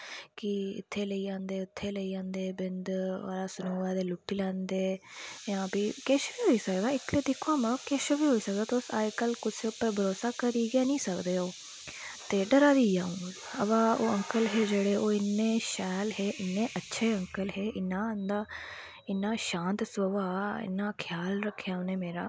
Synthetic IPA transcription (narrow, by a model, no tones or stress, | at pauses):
kɪɪ̰t̪ʰːeːləiːd͡ʒãːnd̪eːʊt̪ʰːeːləiːd͡ʒãːnd̪eːbɪnd̪a̰ːɾaːsʊnuːɛːt̪eːlʊpʰːiːlɛ̃ːnd̪eːjãːbiːkeːʃʋiːɦoːiːsəkd̪aːɪt̪leːd̪ɪkʰːoamə̃keːʃobiːɦoːiːsək̚d̪aːt̪eosa̰ːkəlkʊseːʊpːəɾbʱəɾoːsaːkəɾiːɡaːnĩːsəkd̪eːoː | t̪eːɖəɾaːɾiːaːũː | əʋãːo̰ːəŋkəlɦeːd͡ʒeːɽeːʔoːɪnːeːʃɛːlɦeːʔɪnːẽːʔətːʃʰeːəŋkəlɦeːʔɪnːãːənd̪aː | ɪnːaːʃãːnt̪soʋaːɪ̰nːãːkʰjaːlɾəkʰːejaːũneːmeːɾaː